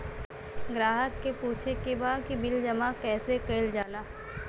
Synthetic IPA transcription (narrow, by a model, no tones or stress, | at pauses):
ɡɾaːɦəkːepuːt͡ʃʰekebaːd̪kibɪld͡ʒɐmakɛːsekeɪld͡ʒaːlaː